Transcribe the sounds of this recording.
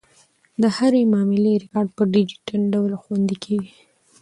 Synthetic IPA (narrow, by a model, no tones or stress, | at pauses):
d̪əhaɾemɑmɪleɾɪkɑɾɖ̚pəɖɪd͡ʒi̥ʈanɖawlxwand̪ikʰeɡi